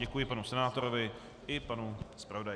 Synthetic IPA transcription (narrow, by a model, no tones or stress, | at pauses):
ɛkujɪpanusɛnaːt̪oɾovɪ | ɪpanuspɾavo̞daj